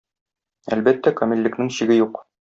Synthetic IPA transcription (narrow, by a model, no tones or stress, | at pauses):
ælbæt̪ːækomʲilʲːɘ̆knɘŋɕiɡɘjuq